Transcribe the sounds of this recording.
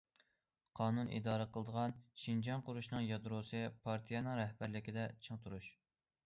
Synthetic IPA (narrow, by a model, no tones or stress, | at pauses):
qʰɑːnunḭd̪ɑːɾəqʰəlˠəd̪əʁɑnʃind͡ʒɑnqʊɾuʃnɨŋjɑd̪ɾosɨpʰɑɾt̪ʰijɛnɨŋɾɛhbæɾlɪkʲid̪ɛt͡ʃʰɨŋt̪ʰuɾuʃ